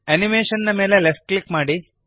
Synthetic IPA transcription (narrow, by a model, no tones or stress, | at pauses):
ɐnimeːʃɐnnɐme̞ːlelefʈ̚klikmaːɽi